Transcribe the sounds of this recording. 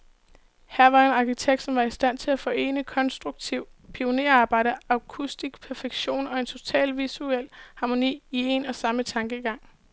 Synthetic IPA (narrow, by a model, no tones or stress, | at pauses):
hæɐ̰ʋɑ̈e̝nɑ̈kʰit͡sʰeɡ̥̚d̥sɒ̽mʋɑ̈isd̥æn̰t͡sʰe̝læfɒ̽e̝̰ːnəkʰɒ̽nsd̥ʁuɡ̥̚t͡sʰiʊ̰pʰio̝ne̝̰ɐɑ̈ːb̥ɑ̈ɪ̰d̥əɑ̈kʰusd̥isɡ̥pʰæɐfeɡ̥ɕo̝̰ːnɒ̽e̝nt͡sʰo̝t͡sʰɛ̰ːlʋisuel̰hɑ̈mo̝nḭːie̝nɒ̽sɑ̈mət͡sʰɑ̈ŋɡ̥əiɡ̥ɑ̈ŋ̰